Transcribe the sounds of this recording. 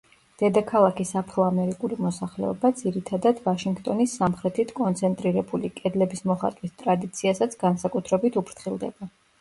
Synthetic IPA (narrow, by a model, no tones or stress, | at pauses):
d̪̥ɛd̪akʰalˠakʰisapʰɾɔamɛɾikʼuɾimɔsaχlɛ̰ɔ̰bad̪z̥iɾit̪ʰad̪ad̪vaʃiŋɡt̪ʼɔnisːamχɾɛt̪ʰit̪ʰkʼɔnt̪sʰɛnt̪ʼɾiɾɛbulikʼɛd̪lɛbismɔχa̰t̪ʼwist̪ʼɾad̪it̪sʰiasat̪sʰɡansakʼut̪ʰɾɛbit̪ʰupʰɾt̪χilˠd̪ɛ̰ba